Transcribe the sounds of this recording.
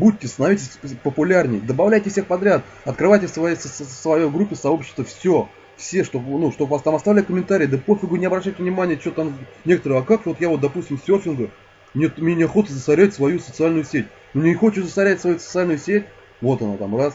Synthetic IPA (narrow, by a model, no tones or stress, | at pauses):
but̚ʲtʲːɪst̪ənɐvʲitʲɪsʲpəpʊlʲarnʲɪ̰jd̪əbɐvlʲæjtʲɪfsʲe̞xpɐd̪ɾʲat̪ | ɐt̪̚kɾɨvajtʲɪsvɐjesəsvɐjejɡɾupʲːɪsɐo̞pɕːɪ̥st̪vəfsʲo | fsʲeʂt̪o̞nuʂt̪obpɐst̪amɐst̪avlʲɛkəmʲɪnt̪aɾʲɪiːd̪əpofʲɪɡunʲɪɐbɾɐɕːæjtʲɪvnʲɪmanʲɪjət͡ɕɪot̪am | nʲe̞kə̥t̪əɾɨjɐkako̞t̪javot̪d̪ɐpusʲtʲɪmsʲtʲorfʲɪnɡə | mnʲet̪mʲnʲenʲɪɐxo̞t̪əzəsɐɾʲætʲsvɐjusət̪sɨalʲnʊjʊsʲetʲ | nunʲɪxot͡ɕɪzəsɐɾʲætʲsvɐjusə̥t̪sɨalʲnʊjʊsʲetʲ | vo̞t̪ɐnat̪amras